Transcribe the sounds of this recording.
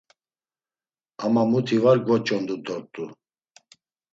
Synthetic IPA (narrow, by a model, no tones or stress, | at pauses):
amamut̪ʰivaɾɡvɔt͡ʃʼɔnd̪ud̪ɔɾt̪ʼu